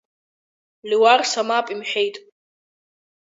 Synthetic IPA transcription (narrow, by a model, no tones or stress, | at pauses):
liwarsamapʼimħʷᶣe̞jtʼ